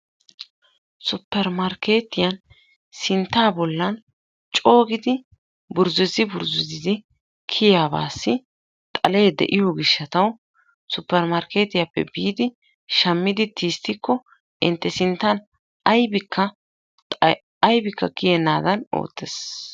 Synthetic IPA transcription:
sʊpːɛɾmɐɾke̞ːt̪ːɪjɐn | sɪnt̪ːaːbɔlːɐn | t͡ʃʼo̞ːɡɪd̪ɪ | bʊɾzɛzɪbʊɾzʊzɪzɪ | kʰɪjaːba̰ːsːɪ | t̪ʼɐle̞ːd̪ɛ̰ʔɪjoɡɪʃːɐt̪ɐw | sʊpːɛɾmɐɾke̞ːt̪ːɪjapːɛ̰biːd̪ɪ | ʃɐmːɪd̪ɪt̪ʰiːst̪ːɪkːɔ | ʔɪnt̪ːɛsɪnt̪ːɐn | ɐjbɪkʰːɐ | ɐjbɪkːɐkɪjɛnːaːd̪ɐno̰ːt̪ːɛs

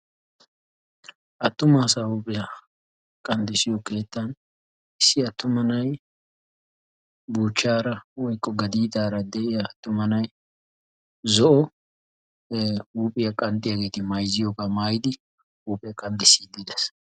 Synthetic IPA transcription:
ʔɐt̪ːʊmaːsahuːpʼɪjɐ | kʼɐnd̪ɪsɪjɔke̞ːt̪ːɐn | ɪsːɪɐt̪ːʊmɐnɐj | buːt͡ʃːaːɾɐwɔjkʼːɔɡɐd̪iːd̪aːɾɐd̪ɛɪjɐːt̪ːʊmɐnɐj | zɔʔɔ | uːpʼɪjɐkʼɐnd̪ɪjɐɡe̞ːt̪ɪmɐjzɪjoːkamaːjɪd̪ɪ | uːpʼɪjɐkʼɐnd̪ɪsːiːd̪ɪd̪ɛs

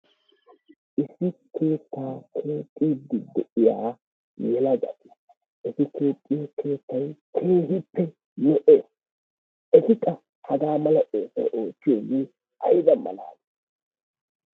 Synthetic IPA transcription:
ʔɪsːɪkʰe̞ːt̪ːaːkʰe̞ːt̪ʼːiːd̪ɪd̪ɛʔɪjaː | jɛlɐɡɐ̰t̪ɪ̥ | ʔɪtɪke̞ːtʼːɪjakʰe̞ːt̪ːɐjkʰeːɦɪpːɛ | nɔʔe | ɛt̪ɪkʼːɐ | hɐɡaːmɐlɐʔoːso̰ʔoːtːɪjonɪ | ɐjd̪ɐmɐ̰la̰ːɡ

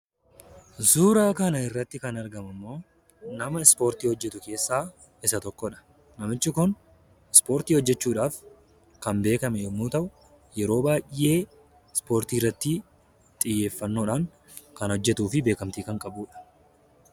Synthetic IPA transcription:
zuːɾaːkɐnɐɪrːɐt̪ːɪkɐnɐɾɡɐmɐmːo̞ː | nɐmɐɪspo̞ːɾt̪iːhɔd͡ʒːɛt̪ʊke̞ːsːaː | ɪsɐt̪ɔkːɔᶑɐ̥ | nɐmɪt͡ʃːɪkʊn | ɪspo̞ːɾt̪iːhɔd͡ʒːɛt͡ʃːuːᶑaːf | kɐmbe̞ːkɐmɛjɔmːuːt̪ɐʔʊ | jɛɾo̞ːbaːje̞ː | spo̞ːɾt̪iːrːɐt̪ːɪ | t̪ʼɪjːe̞ːfːɐnːoːᶑaːŋ | kɐnhɔd͡ʒːɛt̪uːfɪbe̞ːkɐmt̪iːkɐŋkʼɐbuːᶑɐ̥

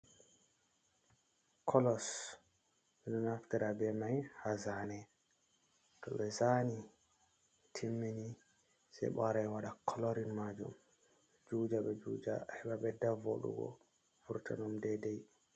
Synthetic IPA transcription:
kʰɔlɔs | mɛnɔnaftiɾabɛmajhazanɛ | tɔɓɛzani | tʰimːini | sɛ̰jɓaɾajwaɗakʰɔlɔɾinmad͡ʒṵm | d͡ʒud͡ʒaɓɛd͡ʒud͡ʒa̰hɛɓaɓɛdavo̰ɗṵɡɔ̰ | fuɾtʰa̰nɔmdɛdɛj

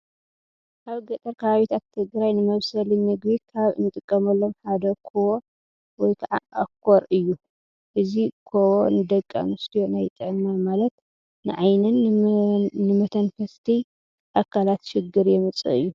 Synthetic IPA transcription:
ʔaβɡɐt̪ʼɐɾkʰaβaβit̪ʰat̪ʰːɨɡɾajnɨmɐβsɐlinɨɡbikʰaβɨ̰nɨt̪ʼɨkʼːɐmɐlːo̞mħad̪ɐkʰowo | wɔjkʰɐʕaʔakʰːoɾɨjːu | ʔɨzikʰowonɨd̪ɐkʼːa̰nɨst̪ʰijo̞najt̪ʼɨʕnnamalɐt̪ | nɨʕajnɨn | nɨmɐt̪ʰɐnfɐst̪ʰi | ʔakʰːalat̪ʃɪɡːɨɾjɛmɨt͡sʼɨ̰ɨ̰jːu

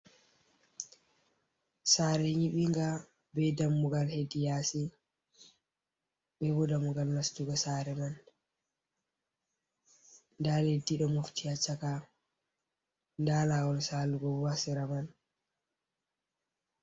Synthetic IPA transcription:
saːɾɛɲiɓiŋɡa | bɛdamːuɡalhedijasi | ɓɛbɔdamuɡalmastuɡɔsaːɾɛman | ndaledːiɗɔmuftijat͡ʃaka | ndalawɔlsaluɡɔasiɾaman

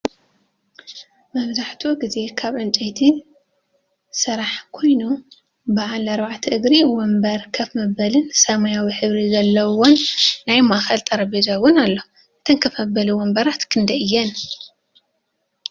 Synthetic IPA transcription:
mɐβzaħt̪ʰuɡize̞kʰaβʕɨnt͡ʃʼejt̪ʰi | sɨɾaħkʰo̞jnu | baʕalɐɾβaʕt̪ʰɨʔɨɡɾiwɔmbɐɾkʰɐfmɐbɐlɨnsɐmajawiħɨβɾizɐlːɐwonːajmaʔxɐlt̪ʼɐɾɐbezawʊnalːo | ʔɨt̪ʰɐnkʰɐfɐbɐluwɔmbɐɾat̪kʰɨnd̪ɐɨjːɛn

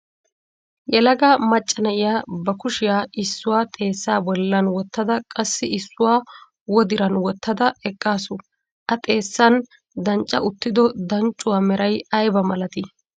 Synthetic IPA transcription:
jɛlɐɡamɐt͡ʃʼːɐnɐʔɪjaːbɐkʊʃɪjaːʔɪsːʊwaːt̪ʼe̞ːsːaːbɔlːɐnwɔt̪ːɐd̪ɐkʼɐsːɪɪsːʊwaː | wɔd̪ɪɾɐnwɔt̪ʰːɐd̪ɐɛkʼːaːsʊ | ʔɐt̪ʼe̞ːsːɐn | d̪ɐnt͡ʃʼːɐ̰ʔʊt̪ːɪd̪ɔd̪ɐnt͡ʃʼːʊwaːmɛɾɐjɐjbɐmɐlɐt̪ɪ

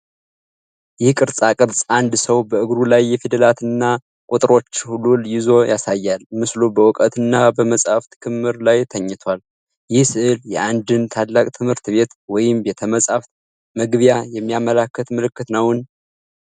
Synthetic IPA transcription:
jɪhkʼɨɾsʼakʼɨɾsʼand̪səwbəɨɡɾulajːɛfid̪əlat̪ʰɨnːa | kʼut̪ʼɨɾo̞t͡ʃːhululjɪzo̞jʔasajːalmɨslubəwɔkʼət̪ɨnːabəməsʼaft̪ʰɨkʰɨmhɨɾlajt̪ʰəɲːɨt̪ʰwal | jɪhsɨʔɨljɛʔand̪ɨnt̪ʰad̪lakʼt̪ʰɨmhɨɾt̪βe̞t̪wɔjɪmbɛt̪ʰəməsʼaft̪ | məɡβjajɛmːijamːəlakːət̪mɨlɨkːɨt̪nəwn

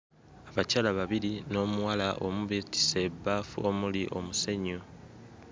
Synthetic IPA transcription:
aβacalaβaβiɾino̞ːmuwalaʔo̞muβeti̥sebːaːfuomuliʔo̞museɲo

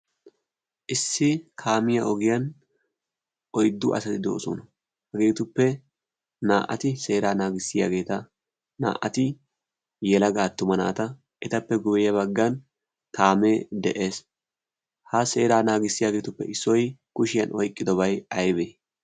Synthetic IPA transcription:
ʔɪsːɪkʰaːmɪjɐʔɔɡɪjɐn | ʔɔjd̪ːʊʔɐ̰sɐt̪ɪd̪o̰ːsṵnɐ | hɐɡe̞ːt̪ʊpːɛ | naːʔɐ̰t̪ɪse̞ːɾaːnaːɡɪsːɪja̰ːɡe̞ːt̪ɐ | na̰ːʔɐt̪ɪ | jɛlɐɡaːt̪ːʊmɐna̰ːt̪ɐ | ʔɛt̪ɐpːɛɡʊbɛjɐβɐɡːɐn | kaːmeːd̪ɛʔeːs | hɐse̞ːɾaːnaːɡɪsːɪjaːɡe̞ːt̪ʊpːɛ̰ɪsːɔjkʊʃɪjɐnɔjkʼːɪd̪ɔbɐjɐjbeː

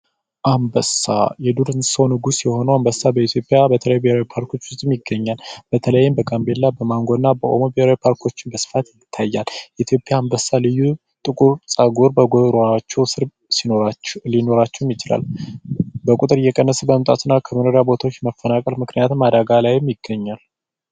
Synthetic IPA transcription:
ʔambəsa̰jɛd̪uɾɨnsəwnɨɡusjɛho̞nəwambəsːabəit̪ʰjopʼjabət̪ʰələjubeheɾawipʰaɾko̞t͡ʃːwʊst̪ʼmjɪɡːəɲːalb̥ət̪ʰələjːɪmbəɡʼambe̞lːabəmaŋɡo̞d̪nːabəʔomobihɾawipʰaɾkʰo̞t͡ʃːɪnbəsɨ̥fat̪jɪt̪ʰːajːaljɛit̪ʰjo̞pʼjambəsalɨjːu | t̪ʼɨkʼuɾsʼaɡoɾbəɡoɾoat͡ʃːɛwsɨɾ | slino̞ɾat͡ʃːɛwmjɪt͡ʃɪla̰l | bəkʼut̪ʼɨɾjɛkʼənːəsɨbəmt̪ʼa̰t̪ɨnːakʰəmənoɾjabo̞t̪ʰawot͡ʃːɛməfːənakʼəlmɨknijat̪mad̪aɡalajɛmjɪɡ̥ːəɲːal

